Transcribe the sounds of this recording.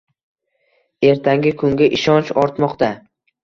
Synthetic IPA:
e̞ɾt̪ʰaŋɡʲɪkʰʊŋɡʲaʔɪʃɒnt͡ʃɒɾt̪mɒqt̪a

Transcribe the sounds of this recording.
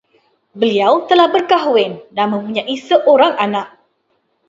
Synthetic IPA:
bəliawt̪əlahbərkaɦuwɪndanmə̃muɲaʔisəʔoɾaŋanaʔ̚

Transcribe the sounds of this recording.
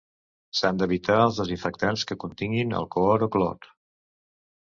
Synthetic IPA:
sand̪əβit̪aəlˠzðəziɱfək̚t̪anskəkunt̪iŋɡinə̰lˠkɔɾoklɔ̰t̪

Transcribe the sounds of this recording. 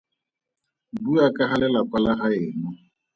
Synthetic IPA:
buakʼaχalɛlakwalaχaɪːnʊ

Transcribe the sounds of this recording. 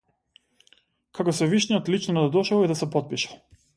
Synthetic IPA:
kakɔsɛviʃniɔt̪lit͡ʃnɔd̪ad̪ɔʃavid̪asɛpɔt̪̚piʃḁ

